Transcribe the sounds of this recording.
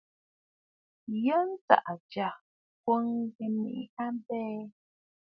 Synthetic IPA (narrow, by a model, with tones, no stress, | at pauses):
jə˦n̩˦t͡sa̰˨ʔa˨d͡ʒa˨ | kwo˦ŋ˦ɡe˨mḭ˦˨ʔha˦m˦bɛː˦